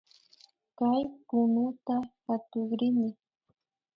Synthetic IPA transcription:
kajkʊnʊt̪axat̪ʊχɾɪnɪ

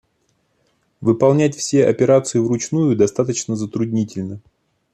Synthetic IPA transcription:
vɨpɐlˠnʲætʲfsʲeʔɐpʲɪɾat̪sɨjʊvrʊt͡ɕnujʊd̪ɐst̪at̪ət͡ɕnəzət̪ɾʊdʲnʲitʲɪlʲnə

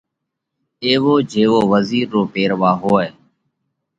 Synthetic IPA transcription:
eːʋoːd͡ʒʱeːʋoːʋəziːɾːoːpeːɾʋaːɦoːeː

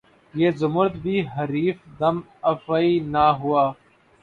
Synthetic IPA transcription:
jeːzʊmʊɾət̪bʱiːɦəɾiːfd̪əm | əfəiːnaːɦʊaː

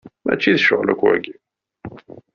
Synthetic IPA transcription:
mæ̰t͡ʃːiðʃəʁlæ̰kwæ̰ɡi

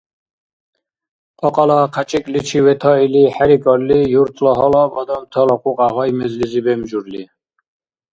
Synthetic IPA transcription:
qʼɔqʼalaqʰat͡ʃʼikʼlit͡ʃʰiwɛt̪ʰɔiliħɛɾikʼɔɾlijuɾt̪ʰlɔɦɔlɔbɔd̪ɔmt̪ʰɔlɔqʼuqʼaʁɔjmɛzlizibɛmd͡ʒuɾli

